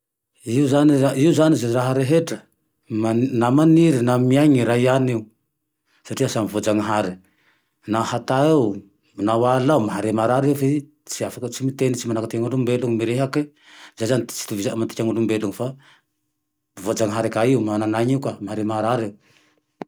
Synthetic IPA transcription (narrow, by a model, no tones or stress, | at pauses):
iuzaniaiuzanizaɾaɦaɾeɦeʈ͡ʂə | manamaniɾinamiajɲiɾaianiu | saʈ͡ʂiasamivod͡zaŋiɦaɾi | nahat̪aew | nawalawmaɦaɾemaɾaɾeuve | t͡siafakət͡simit̪enit͡simanakat̪iaŋulumbeluŋimiɾeɦaki | zejzani̥t͡si̥t̪uviamant̪i̥kʲaŋulumbeluŋifa | vod͡zaŋiɦaɾikaiumananaɲiukamaɦaɾemaɾaɾew